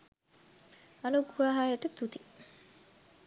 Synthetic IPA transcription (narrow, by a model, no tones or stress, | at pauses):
ɐnuɡuɾaɦaːjeʈət̪ut̪i